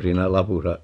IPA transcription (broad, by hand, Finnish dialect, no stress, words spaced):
siːnæ lɑpusɑ